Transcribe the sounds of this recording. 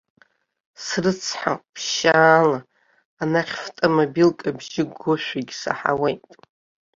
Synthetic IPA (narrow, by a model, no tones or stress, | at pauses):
srɨt͡sʰħa̰pʰʃaːlaː | naχʲftʼamobilkʼabʒɪɡoʃʷᶣaɡʲsa̰ħa̰wejtʼ